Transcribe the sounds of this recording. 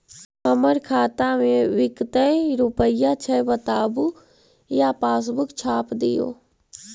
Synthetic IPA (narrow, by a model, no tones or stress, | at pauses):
əməɾkʰaːt̪amẽʋɪkt̪əɾʊpəjat͡ʃʰəjbət̪aːbu | japaːs̬bʊkt͡ʃʰaːpd̪ɪ̰jo̰ː